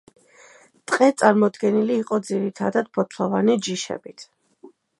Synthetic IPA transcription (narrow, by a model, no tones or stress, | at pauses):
t̪ʼqʼɛt̪sʼaɾmɔd̪ɡɛniliːqʼɔd̪ziɾit̪ʰad̪ad̪̥̚pʰɔt̪ʰlˠɔvanid͡ʒiʃɛ̰bit̪ʰ